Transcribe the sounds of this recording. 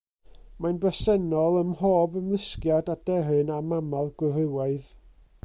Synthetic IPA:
manbrəsɛnɔlˠəmhoːbəmlˠɪskjadad̥ɛrɨnamamalˠɡwʊɾɪwaɨð

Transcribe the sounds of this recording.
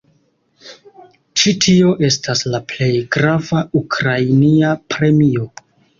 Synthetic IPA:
t͡ʃitʰio̞ʔe̞staslaple̞jɡɾavaukɾajniapɾe̞mio̞

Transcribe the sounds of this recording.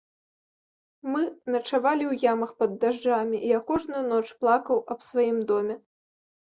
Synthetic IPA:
mɨnɐt͡ʂavalʲiwjamɐxpɐd̪ːaʐd͡ʐamʲiʔiakɔʐnujunɔt͡ʂplˠakɐwɐbsvajimd̪ɔmʲɛ

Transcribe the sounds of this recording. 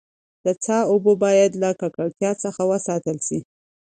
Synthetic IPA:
d̪̥ət͡sɑobobɑjad̪lakɑkəɽt̪jɑt͡səxawəsɑt̪əlʃi

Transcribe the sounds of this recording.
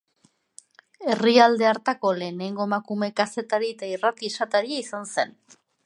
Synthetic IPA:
e̞riald̪e̞aɾt̪ako̞le̞ːne̞ŋɡo̞emakume̞kase̞t̪aɾiet̪airat̪isat̪aɾiaisanse̞n

